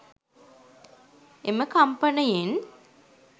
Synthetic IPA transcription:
eməkampənəjen

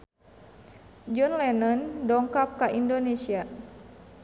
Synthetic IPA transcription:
d͡ʒɔnlɛnɔndɔŋkap̚kaʔindonesia

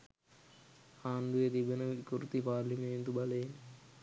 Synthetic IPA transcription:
aːnd̪ujet̪ibɐnɐʋkuɾt̪ipaːɾlimeːnt̪ubɐleːn

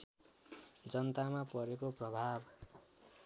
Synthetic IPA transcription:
d͡zʌnt̪amapʌɾekoprʌbʱab

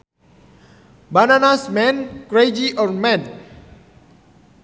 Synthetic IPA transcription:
bananasmɛ̃nkɾed͡ʒiʔɔrmɛd

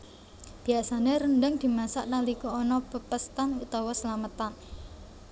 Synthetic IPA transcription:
b̥i̤asaneɾənɖəŋd̪̥i̤masaʔnalikuɔnɔpəpəst̪anut̪awɔsəlamət̪an

